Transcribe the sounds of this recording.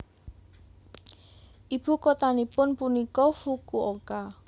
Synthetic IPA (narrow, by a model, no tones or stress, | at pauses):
ʔib̥ṳkot̪anipʊnpunikɔfukuʔoka